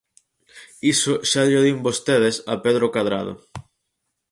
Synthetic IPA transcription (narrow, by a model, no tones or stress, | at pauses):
isoʃaðoðimbost̪eð̞esa̰peðɾokaðɾa̰ð̞o̰